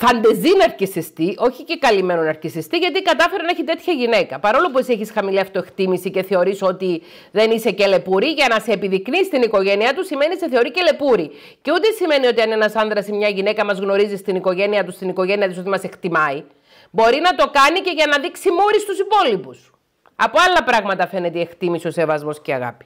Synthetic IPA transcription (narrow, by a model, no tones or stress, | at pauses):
fɐnd̪e̞zinɐɾcisist̪iʔo̞çice̞kɐlime̞nonɐɾcisist̪iʝɐt̪̬ikɐt̪ɐfeɾeneçit̪e̞t̪çɐʝine̞kɐpɐɾo̞lopuesieçisxɐmiliɐft̪o̞e̞kt̪imisice̞θe̞o̞ɾisot̪i | ðe̞nise̞ce̞le̞puɾiʝɐnɐseːpiðiknist̪iniko̞ʝe̞niɐt̪usime̞nise̞θe̞o̞ɾice̞le̞puɾi | ceut̪esime̞nio̞t̪iɐnenɐsɐnðɾɐsimɲɐʝine̞kɐmɐzɣno̞ɾizist̪iniko̞ʝe̞niɐt̪ust̪iniko̞ʝe̞niɐðiso̞t̪imɐse̞kt̪imɐi | bo̞ɾinɐt̪o̞kɐnice̞ʝɐnɐðiksimuɾist̪usipo̞lipus | ɐpoɐlːɐpɾɐɣmɐt̪ɐfe̞ne̞t̪ie̞kt̪imisio̞se̞vɐzmo̞sceɐ̰ɣɐ̰pi̥